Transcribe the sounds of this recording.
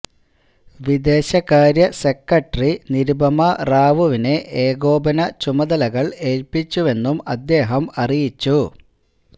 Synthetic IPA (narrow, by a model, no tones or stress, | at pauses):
ʋid̪e̞ːɕɐkaːɾjɐse̞kːɐʈriniɾubɐmɐraːʋuʋine̞ʔeːɡo̞ːbɐnɐt͡ɕumɐd̪ɐlɐɣɐɭe̞ːlpit͡ɕːuʋe̞nːumɐd̪ːe̞ːɦɐmɐrijit͡ɕːu